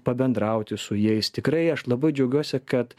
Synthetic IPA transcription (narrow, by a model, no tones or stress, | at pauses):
pɐbʲɛnd̪ɾɐʊt̪ʲɪsʊjɛɪst̪ʲɪkɾɐɪɐʃlˠɐbɐɪd͡ʒʲɛʊɡʲuɔsʲɪkɐt̪